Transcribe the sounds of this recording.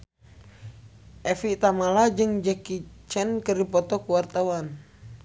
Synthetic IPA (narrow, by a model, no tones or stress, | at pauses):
ʔɛfit̪amalad͡ʒɨŋd͡ʒəkit͡ʃɛnkəripɔt̪ɔkuwart̪awan